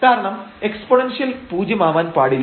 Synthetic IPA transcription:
kaːɾɐɳɐme̞kspoɳenʂijɐlpuːd͡ʑjɐmaːʋaːnpaːɽil

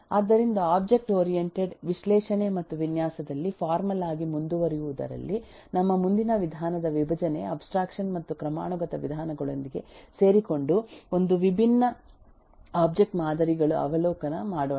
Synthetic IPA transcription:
aːd̪ːɐɾind̪ɐaːbd͡ʒe̞k̚ʈoːɾijeɳʈeɖʋiʃlɛːʂɐne̞mɐt̪ːuʋinjaːsɐd̪ɐlːipʰaːɾmɐlaːɡimund̪uʋɐɾijuʋud̪ɐ̰ɾɐ̰lːi | nɐmːɐmund̪inɐʋid̪ʱaːnɐd̪ɐʋibʱɐd͡ʒɐne̞ɐbsʈɾaːkʂɐnmɐt̪ːukɾɐma̰ːɳuɡɐt̪ɐʋid̪ʱaːnɐɡɐɭo̞̰nd̪iɡe̞̰seːɾiko̞ɳɖuo̞nd̪uʋibʱinːɐ | aːb̚d͡ʒe̞k̚ʈmaːd̪ɐɾiɡɐɭuʔɐ̰ʋɐlɔːkɐnɐmaːɽoː

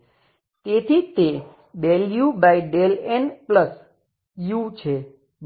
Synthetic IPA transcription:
t̪et̪ʰit̪e | ɖeljubaiɖelenpləs | jut͡ʃʰe

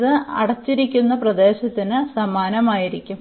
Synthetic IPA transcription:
ðɨɐɽɐt͡ɕːiɾikʲːunːɐprɐd̪e̞ːɕɐt̪ːinɨsɐmaːnɐmaːjiɾikʲːum

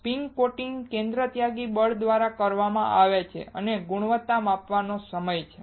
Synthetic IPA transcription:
piŋɡkoʈiŋkẽnd̪ɾət̪jaɡibəɭd̪ʋaɾakəɾʋamã̰ʔaʋet͡ʃʰḛʔəneɡuɽ̃ʋət̪ːamapʋanosəməjt͡ʃʰe

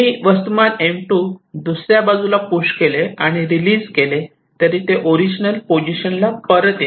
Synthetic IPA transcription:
iʋəst̪umanẽmʈuːd̪usɾjabad͡zulapuɕkeleaɽ̃iɾilid͡zkele | t̪əɾiːt̪eʔoɾid͡ʑnəlpod͡ʑiɕənlapəɾət̪je

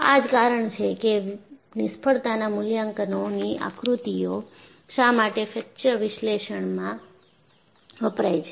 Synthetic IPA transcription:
ad͡ʒkaɾəɳt͡ʃʰekenɪspʰəɽt̪anamʊljãŋkənoniʔa̰kɾut̪ijo | ʃamaʈefɛk̚t͡ʃəɾʋɪʃleʃəɳmã | ʋəpɾajt͡ʃʰe

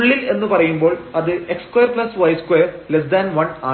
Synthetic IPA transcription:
uɭːile̞nːɨpɐrɐjumbo̞ːɭɐðɨe̞kskwojɐrpɭɐsʋɐjskwejɐrles̬d̪aːnʋɐnaː

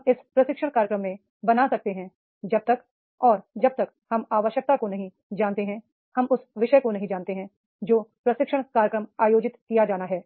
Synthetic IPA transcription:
ɪspɾɐʃɪkʃəɽ̃kaːɾjəkɾəmːẽ | bɐnasɐk̚t̪eɦɛ̃ | d͡ʒɐb̚t̪ɐk | ɔːɾd͡ʒɐb̚t̪ɐk | hɐmaːʋəʃjək̚t̪akonɐɦĩ | d͡ʒaːnt̪eɦɛ̃ | hɐmʊsʋɪʃəkonɐɦĩd͡ʒaːnt̪eɦɛ̃ | d͡ʒoːpɾɐsɪkʃəɽ̃kaːɾjəkɾəmaːjoːd͡ʒɪt̪kijad͡ʒaːnaɦɛː

